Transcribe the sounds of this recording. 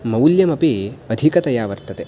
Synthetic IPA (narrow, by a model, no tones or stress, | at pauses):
mɐwuljɐmɐpiɐd̪ʱikɐt̪ɐjaːʋɐɾt̪ɐt̪e